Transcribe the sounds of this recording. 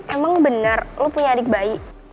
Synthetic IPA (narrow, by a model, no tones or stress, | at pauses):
ɛmaŋbənarlopuɲaːdɪk̚baiʔ